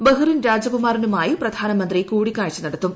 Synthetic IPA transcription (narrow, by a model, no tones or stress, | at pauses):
bɐɦurinɾaːd͡ʑɐkumaːrinumaːjiprɐd̪ʱaːnɐmɐnd̪rikuːɽikʲːaːɻt͡ɕːunɐɽɐt̪ːum